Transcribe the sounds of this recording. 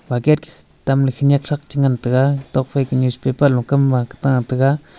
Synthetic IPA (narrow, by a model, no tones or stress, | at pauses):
bakeɾki̥ | t̪amlaxiɲakʂakt͡ʃiŋɡant̪aɡat̪okfekiɲuʃpepalukambakt̪aŋt̪aɡa